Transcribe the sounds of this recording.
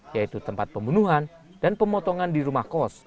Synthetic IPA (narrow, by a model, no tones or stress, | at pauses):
jait̪ut̪əmpat̪̚pəmbunuɦan | danpəmɔt̪ɔŋandiɾumahkɔs